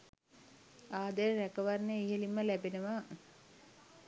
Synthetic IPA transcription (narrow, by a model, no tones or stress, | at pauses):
aːd̪əɾækəʋarnəiɦelimːəlæbenəʋaː